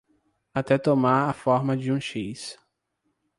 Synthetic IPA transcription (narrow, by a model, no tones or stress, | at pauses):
at̪ɛt̪omaɾafɔɾmɐd͡ʒɪũʃis